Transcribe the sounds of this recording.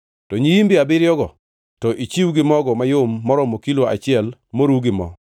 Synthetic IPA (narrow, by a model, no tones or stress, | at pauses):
tɔɲijimbɪabɪɾjɔɡɔ | tɔʔit͡ʃiwɡɪmɔɡɔmajʊmːɔɾɔmokiloa̰t͡ʃɪɛlmoɾuɡɪmɔ̰